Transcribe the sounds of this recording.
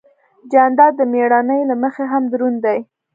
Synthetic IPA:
d͡ʒɑnd̪ɑd̪əmeɽɑnəjlaməxeɦamd̪ɾund̪aj

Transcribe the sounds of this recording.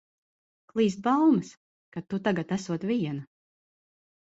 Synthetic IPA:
klˠiːst̪̚balmɐs | kat̪ːut̪aɡat̪æsuɔt̪vʲiɛnɐ

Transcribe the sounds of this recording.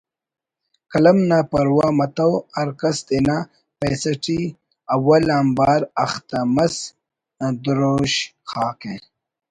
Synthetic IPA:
kɐlɐmnapɐɾwamɐt̪awaɾkɐst̪ena | pesɐʈi | awalaːmbaːɾaxt̪amɐs | d̪uɾoʃxaːke

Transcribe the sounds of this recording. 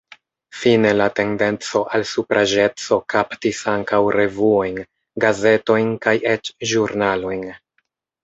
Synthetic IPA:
fine̞late̞nde̞nt͡so̞ʔalsupɾʔaʒe̞t͡so̞kaptisaŋkawɾe̞vuo̞jn | ɡaze̞to̞jnkajet͡ʃʒuɾnalo̞jn

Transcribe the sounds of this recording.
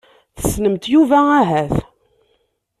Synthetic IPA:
θə̥snəmt̪juvææɦæθ

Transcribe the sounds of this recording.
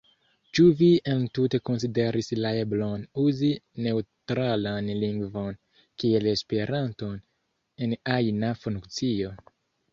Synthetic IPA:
t͡ʃuvientute̞ko̞nside̞ɾʔislaeblo̞nuzine̞utɾalanliŋɡvo̞n | kielespe̞ɾʔanto̞n | e̞najnafuŋkt͡sio̞

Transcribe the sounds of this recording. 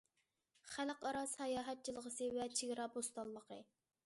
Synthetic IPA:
χæləqɑɾɑsɑjɑːɦɛt̪̚t͡ʃʰilˠəʁəsɨvɛt͡ʃʰeɡʲɾɑbost̪ɑlˠːəqʰə

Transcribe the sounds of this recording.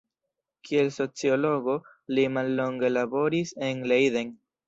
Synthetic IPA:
kʰie̞lso̞t͡sio̞lo̞ɡo̞ | limalːo̞ŋɡe̞labo̞ɾise̞nlejðen

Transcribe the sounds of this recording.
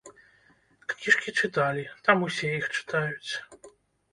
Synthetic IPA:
kkʲiʂkʲit͡ʂɨt̪alʲit̪amusʲɛjixt͡ʂɨ̥t̪ajut͡sʲ

